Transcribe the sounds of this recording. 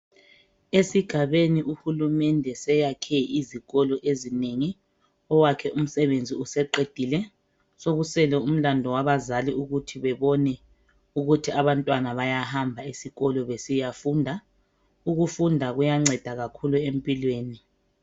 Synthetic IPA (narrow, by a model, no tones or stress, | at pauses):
esiɡ̥ʱaβeniʔuhulumɛndʱɛsɛjakʰɛiziɣɔlɔʔezineŋi | ɔwakʰɛʔum̩sɛβend͡zʱiusɛǃed̥ʱilɛ | soɣusɛlɛum̩landʱɔwaβazaliuɣutʰiβɛβɔnɛ | uɣutʰiaβantʼwanaβajahambʱaisiɣɔlɔβesijafuːndʱa | uɣufundʱaɣujaŋ͡ǀɛd̥ʱaɣakʰuluem̩pʼilweːni